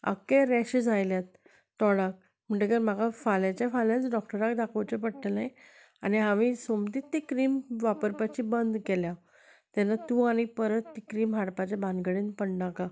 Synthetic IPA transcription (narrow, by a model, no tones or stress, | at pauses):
ə̰kːeɾɛɕid͡zajljat̪ː | ɔɽak̚ | m̤əɳʈekəɾmaɡafalat͡ɕjafaljat͡sɖɔk̚ʈəɾakd̪akʰət͡ɕepəɽʈəlaj | a̰niɦãʋisomt̪it̪ːikɾiːmʋapəɾpat͡ɕibənd̪kɛlja | t̪ɛnːat̪uːañipəɾət̪ːikɾiːmɦaɽpat͡ɕabãnɡəɽĩnpəɳɖaka